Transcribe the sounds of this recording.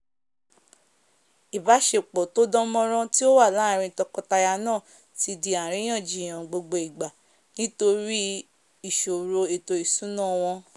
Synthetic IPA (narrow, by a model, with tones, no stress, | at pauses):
i˨ba˨˦ʃe˦˨k͡pɔ˨to˦dɔ̃˦mɔ̃˦ɾ̃ɔ̃˦ti˦o˦wa˦˨la˦˨˧ɾ̃ĩ˧tɔ˧kɔ˧ta˧ja˧nãː˦˨ | ti˧di˧a˨ɾ̃ĩ˨˦j̃ã˦˨d͡ʒi˨j̃ã˨ɡ͡bo˧ɡ͡bo˧i˨ɡ͡ba˨ | nĩ˦to˧ɾi˦ | i˨ʃo˨ɾo˧e˨to˧i˨sũ˨˦nã˦˨w̃ɔ̃˧